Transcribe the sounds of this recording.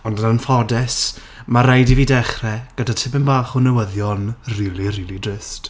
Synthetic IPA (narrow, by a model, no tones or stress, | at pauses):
ɔndananfɔdɛs | maɾajdiviːdɛχrɛɡ̥ədatʰɪbɛnbaːχunəwəðjɔnrilˠiriːlˠidrɪst